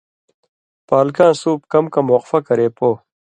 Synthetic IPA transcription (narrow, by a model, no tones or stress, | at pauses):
paːlkãːsuːp̚kɐmkɐmoːqfɐkɐɾeːpoː